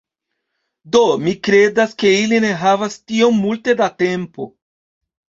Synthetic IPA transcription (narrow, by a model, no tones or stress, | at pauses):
do̞mikɾe̞daske̞iline̞ɦavastio̞mːulte̞date̞mpo̞̰